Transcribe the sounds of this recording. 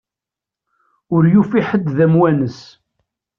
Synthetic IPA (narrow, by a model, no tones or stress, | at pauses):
ʊɾjufiħəd̪ðæmwænəs